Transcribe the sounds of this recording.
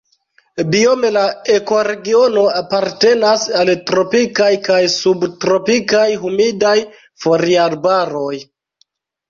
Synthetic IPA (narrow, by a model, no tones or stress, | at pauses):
biome̞laeko̞ɾe̞ɡio̞no̞apaɾte̞nasaltɾo̞pikajkajsubtɾo̞pikajɦumidaj | fo̞ɾiaɾbaɾo̞j